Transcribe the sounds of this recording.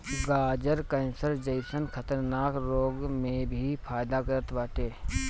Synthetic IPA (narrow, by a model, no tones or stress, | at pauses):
ɡaːd͡ʒəɾkə̃nsəɾd͡ʒəɪsənkʰət̪əɾnaːkɾoːɡmẽbʱipʰaːjd̪akəɾət̪ʋaːʈeː